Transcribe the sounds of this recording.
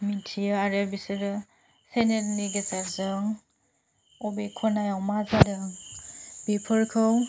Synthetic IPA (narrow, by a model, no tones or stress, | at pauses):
mitʰijaaɾebisiɾ | senelniɡesaɾzɯŋ | ɔbekʰɔnajawmazadɯŋb̥ipʰɯɾkʰɯw